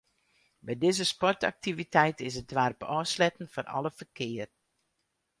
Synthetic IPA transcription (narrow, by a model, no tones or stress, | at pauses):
bɛjdɪzəspɔrta̰k̚tivitʰɛjtɪsəd̚dʋaːrpɔslɛtən̩fʊrɑ̰ləfərkʰɪər